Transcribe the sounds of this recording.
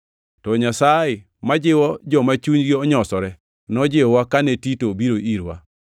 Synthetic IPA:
tɔɲasajɪ | mad͡ʒɪwɔd͡ʒɔmat͡ʃuɲɡeɔɲɔsɔɾɛ | nɔd͡ʒewakanetitobiɾoʔiɾwa̰

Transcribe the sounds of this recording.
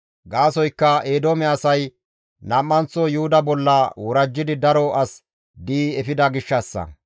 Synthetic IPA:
ɡaːsɔjkːɐeːd̪omɛɐsɐj | nɐmːɐnt͡sːɔjʊhʊd̪ɐbɔlːɐwɔɾɐd͡ʒːɪd̪ɪd̪ɐɾɔʔɐs | d̪iːɛfɪd̪ɐɡɪʃːɐsːɐ̰

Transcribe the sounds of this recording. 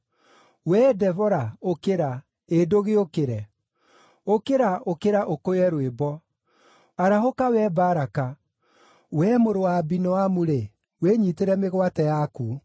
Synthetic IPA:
wɛdɛvɔɾaokeɾa | edoɣeokeɾɛ | okeɾaokeɾaʔokojɛɾwebɔ | aɾahokawɛbaɾaka | wɛmoɾowabinɔwamuɾe | weɲiteɾɛmeɣwatɛjaku

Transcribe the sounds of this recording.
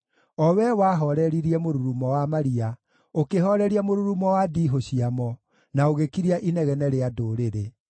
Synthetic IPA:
ɔwɛwaɦɔɾɛɾiɾiɛmoɾuɾumɔwamaɾia | okeɦɔɾɛɾiamoɾuɾumɔwadiɦoɕiamɔ | naoɣekiɾiaʔinɛɣɛnɛɾeadoɾeɾe

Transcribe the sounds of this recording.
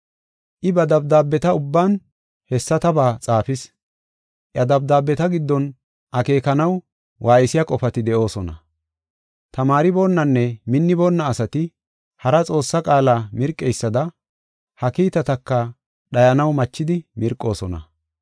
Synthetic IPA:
ʔɪbɐd̪ɐb̚d̪aːbːɛt̪ɐʊbːaːn | hɛsːɐt̪ɐbaːt͡sʼaːfɪs | ʔɐd̪ɐb̚d̪aːbːɛt̪ɐɡɪd̪ːɔn | ʔɐke̞ːkɐnɐw | wʔaːjɪsɪjɐkʼɔfɐt̪ɪd̪ɛʔo̞ːsɔnɐ̰ | t̪ɐmaːɾɪbo̞ːnːɐnːɛmɪnːɪboːnːɐːsɐt̪ɪ | hɐɾɐt͡sʼo̞ːsːɐkʼaːlaːmɪɾkʼːɛjsːɐd̪ɐ | hɐkiːt̪ɐt̪ɐkːɐ | ɗɐjɐnɐwmɐt͡ʃːɪd̪ɪmɪɾkʼːo̞ːsɔnɐ̰

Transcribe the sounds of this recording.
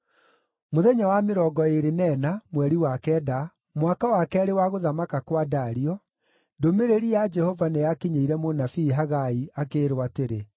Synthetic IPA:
moðɛɲawameɾɔːɡɔeɾenɛnamwɛɾiwakɛːda | mwakawakɛɾewaɣoðamakakwadaɾiɔ | ndomeɾeɾijad͡ʒɛhɔvanejakiɲeiɾɛmonafiːɦaɣaiakeːɾwateɾe

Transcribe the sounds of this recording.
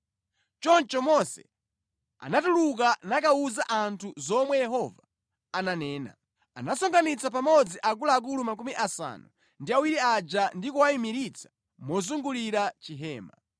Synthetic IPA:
t͡ʃɔnt͡ʃɔmɔsɛ̰ | a̰natuluk̬anak̬auzaʔantʰuzɔmwɛjɛɦɔva | ananɛːna̰ | anasɔŋɡanit͡sapamɔd͡ziʔak̬ulak̬ulumak̬umiʔasa̰nu | ndiawiɾiad͡ʒandikuwaimiɾit͡sʰḁ | mɔzuŋɡuliɾat͡ʃiɦɛːma

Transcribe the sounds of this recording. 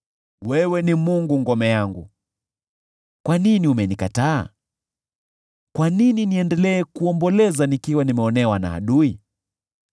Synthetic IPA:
wɛwɛnimuŋɡuŋɡɔmɛjaŋɡṵ | kwaniniumɛnikataa̰ | kwanininiɛndɛlɛːkuɔmbɔlɛzanikiwanimɛɔnɛwana̰a̰ɗui

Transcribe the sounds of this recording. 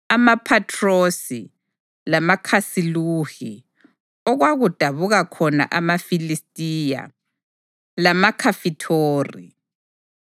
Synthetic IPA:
amapʰatʰʼrosi | lamakʰasiluxi | ɔɣwaɣud̥ʱaβuɣakʰɔna̰ʔamafilistʼiːja̰ | lamakʰafitʰoːrḭ

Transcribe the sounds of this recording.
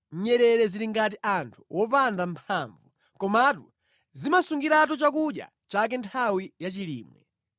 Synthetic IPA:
ɲ̩ɲɛɾɛɾɛziɾiŋɡatiʔantʰu̥wʔɔpandampʰaɱvu | kɔmatu | zimasuŋɡiɾat̬ut͡ʃakuɗja̰ | t͡ʃak̬ɛntʰawijat͡ʃilḭːmwɛ̰

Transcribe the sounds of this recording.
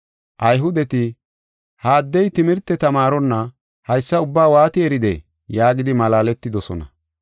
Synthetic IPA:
ʔɐjɦʊd̪ɛt̪ɪ | haːd̪ːɛjt̪ɪmɪɾt̪ːɛt̪ɐmaːɾɔnːɐ | hɐjsːɐʊbːaːwaːt̪ɪɛɾɪd̪ɛ̰ | jaːɡɪd̪ɪmɐlaːlɛt̪ːɪd̪ɔsɔnɐ

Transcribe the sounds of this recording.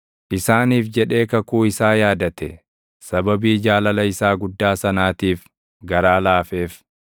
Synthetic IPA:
ʔɪsaːniːfd͡ʒɛᶑe̞ːkɐkuːɪsaːjaːd̪ɐt̪ɛ | sɐbɐbiːd͡ʒaːlɐlɐɪsaːɡʊd̪ːaːsɐnaːt̪iːf | ɡɐɾaːlaːfeːf

